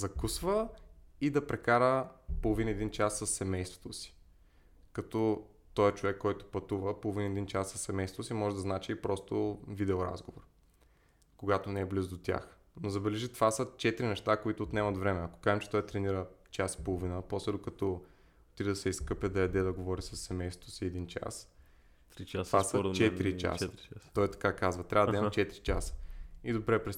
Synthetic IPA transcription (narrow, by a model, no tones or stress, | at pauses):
zɐkusvəid̪ɐpɾɛkaɾəpolˠovinəɛd̪int͡ʃasːəsːɛmɛjst̪vo̥t̪osi̥ | kɐt̪ɔ | t̪ɔɛt͡ʃovɛkːɔjt̪ʊ̥pɐt̪uvəpolˠovinəɛd̪int͡ʃasːɐsːɛmɛjst̪ot̪osimɔʒɛd̪ɐznat͡ʃiipɾɔst̪ovid̪ɛoɾa̰zɡovoɾ | koɡat̪onɛːblizd̪ot̪ʲja̰x | nozɐbɛlɛʒit̪ovasət͡ʃɛt̪iɾinɛʃt̪akoit̪ʊːt̪nɛmɐt̪vɾɛmɛɐko̥kaɛmt͡ʃɛ̥t̪ɔjt̪ɾɛniɾət͡ʃasi̥polˠovinəpɔslɛd̪okɐt̪ɔ | ot̪id̪ɐsɛiskɤpʲjəd̪ɐjɛd̪ɛd̪ɐɡovɔɾisɐsːɛmɛjst̪ot̪o̥siɛd̪int͡ʃa̰s | ɾvasət͡ʃɛt̪iɾit͡ʃa̰sət̪ɔjt̪ɐ̥kakazvɐt̪ɾʲavəd̪ɐimɐt͡ʃɛt̪iɾit͡ʃasə̥id̪obɾɛpɾɛs